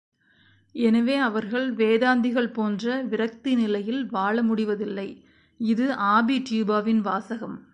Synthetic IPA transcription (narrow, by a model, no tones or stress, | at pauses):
ɛnɐʋeːɐʋɐɾɣɐɭʋeːðaːnd̪ɪɣɐɭpoːndrɐʋɪɾɐk̚t̪ɪnɪlɐjɪlʋaːɭɐmʊɽɪʋɐðɪlːɐɪ | ɪðɯʔaːbit͡ʃiːbaːʋɪnʋaːsɐɣɐm